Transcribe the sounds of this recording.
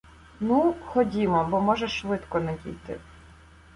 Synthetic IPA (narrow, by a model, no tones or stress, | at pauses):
nuxɔdʲimɔbɔmɔʒɛʃʋɪt̪kɔnɛdʲḭjt̪ɪ̰